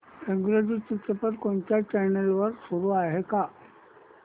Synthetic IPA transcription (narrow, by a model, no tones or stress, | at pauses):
eŋɡɾod͡ʑit͡ɕit̪ɾəpəɾkoɳt͡ɕjat͡ɕɛnelʋəɾsuɾuaɦeka